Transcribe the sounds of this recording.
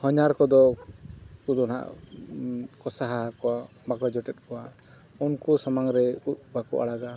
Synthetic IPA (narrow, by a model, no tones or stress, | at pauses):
hɔɲaɾkɔd̪ɔ | kud̪ɔna̰ʔ | kɔsaɦaakɔwa | baɡɔd͡ʒɔʈɛt̪̚kɔwa | unkusamaŋɾɛut̪̚bakɔʔa̰ɽaɡa